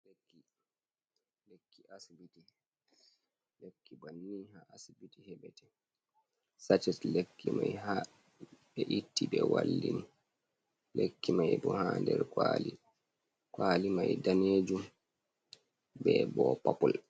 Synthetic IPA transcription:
lekːi | lekʰːiʔasibiti | lekːibanːihaasibitihɛbɛtɛ | sat͡ʃɛtlekʰːimajɦa | bɛʔitːibɛwalːini | lʔekːimajbɔhaːndɛɾkwaːli | kwaːlimajdaneːd͡ʒum | bɛbɔpapɔl

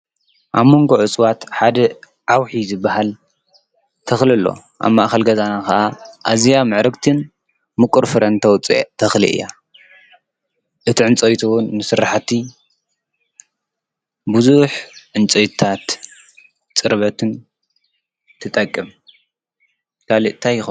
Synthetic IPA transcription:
ʔaβmːoŋɡoʕɨt͡sʼwat̪ħad̪ɐ | ʕawħizɨbːaɦal | t̪ʰɐxlɨlːo̞̰ | ʔa̰βmaʔxɐlɡɐzanakɐʔaʔazijamɨʕɾɨkt̪ʰɨn | mɨkʼʊɾfɨɾɐnt̪ʰɐwt͡sʼḭt̪ʰɐxlḭʔɨ̰jːa̰ | ʔɨt̪iʕɨnt͡sʼɐjt̪ʰuwnːɨsɨɾaħt̪ʰi | buzuħʕɨnt͡sʼɐjtt̪ʰat̪ | t͡sʼɨɾβɐt̪ʰɨn | t̪ʰɨt̪ʼɐkʼːɨm | kʰaliʔt̪ʰajɪxo

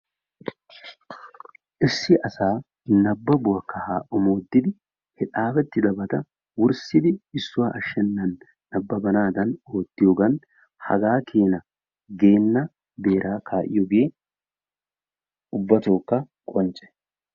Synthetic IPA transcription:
ʔɪsːɪʔɐsaː | nɐbːɐbʊɐkːɐhaːʔʊmoːd̪ːɪd̪ɪ | hɪᶑaːfɛt̪ːɪd̪ɐbɐt̪ɐ | wʊɾsɪd̪ɪɪsːʊwaʔɐʃːɛnːɐnː | ɐbːɐbɐnaːd̪ɐnoːt̪ːɪjɔɡɐn | hɐ̰ɡaːkʰe̞ːnɐ | ɡe̞ːnːɐ | be̞ːɾʔaːkʰaːʔɪ̰jɔɡeː | ʊbːɐt̪oːkːɐ | kʼɔnt͡ʃʼɛ̥

